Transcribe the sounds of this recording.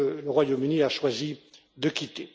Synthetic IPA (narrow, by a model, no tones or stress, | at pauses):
ləʁwajomyniaʃwazi | d̪əkʲit̪e